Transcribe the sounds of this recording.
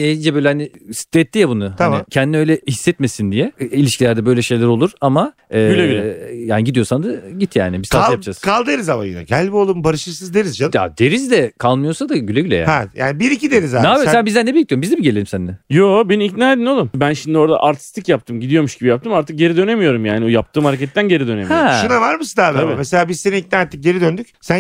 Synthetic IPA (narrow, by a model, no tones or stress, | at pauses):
ed͡ʒɛbøjlʲɛhanɪsi̥t̪ʰːɛt̪ːijɛbunʊht̪ʰamɪcʰɛnd̪inø̞jlʲɛhisːɛt̪me̞sind̪ijɛilʲiʃkcilʲæɾd̪ɛbø̞jlʲɛʃe̞jlʲæɾo̞lˠuɾama | ɛːylʲejaːniɟid̪ijo̞sand̪aɟit̪ʰja̰ːnɪbisajapd͡ʒaskʰalˠd̪eɾizamajḭnɛ̰ɟælʲbiolˠumbaɾɯʃɯɾsɯzd̪eɾizd͡ʒaja̰d̪e̞ɾizd̪ɛkʰalˠmɯjosad̪aɟylʲeɟylʲḛja̰ɛja̰ːnbiɾicid̪eɾizanaːbisænbizd̪ænebijʲict̪ːijoɾmbizd̪ebiɟelʲeimsænd̪ɛjobeniiknʲaːed̪inolˠumbænʃimd̪io̞ɾd̪a̰ʔaɾt̪ʰi̥st̪ʰicjap̚t̪ʰɯmɟid̪ijo̞ɾmuʃɡɟibijap̚t̪ʰɯmaɾt̪ʰɯk̚ɟe̞ɾid̪ø̞ne̞mijo̞ɾumjaːniojap̚t̪ʰɯːmhaɾecʰɛt̪ːænɟe̞ɾid̪ønemihoɛʃunavaɾmɯsɯd̪ad̪abmeselʲaːbizseniic̚nɛnaɾt̪ʰɯ̥k̚ɟe̞ɾid̪ønd̪yc̚sæn